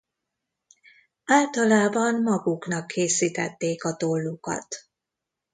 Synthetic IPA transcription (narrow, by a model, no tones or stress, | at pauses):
aːlt̪ɒlaːbɒnmɒɡuknɒkʰːeːsiːt̪ɛt̪ːeːkɒt̪o̞lːukɒ̰t̪